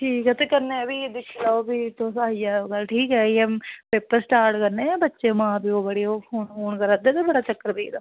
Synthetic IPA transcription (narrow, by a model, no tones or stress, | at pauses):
ʈʰiːkɛːt̪eːkəɾneɛbiːd̪ɪʃilaːobiːt̪õːsaːiːɛːɡəlʈʰiːkɦɛːiɛmpeːpəɾsʈaːɾʈkəɾneːbətːʃeːmãːpiːoːbəɽiːoːpʰoːnfoːnkəɾad̪eːt̪eːbəɽaːt͡ʃəkːəɾbḭːd̪aː